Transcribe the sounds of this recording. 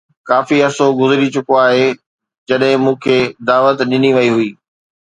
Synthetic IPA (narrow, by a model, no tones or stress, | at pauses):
kaːfiɐsoɡʊzɪɾit͡ɕʊkoaːɦe | d͡ʑɐɗɦɪ̃mũːkʰeːd̪aːʋət̪ɗɪniʋɐiɦʊiː